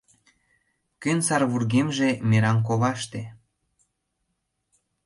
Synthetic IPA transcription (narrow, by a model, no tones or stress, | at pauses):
kynsɑrβurɣemʒemeɾɑmk̬oβɑʃt̪e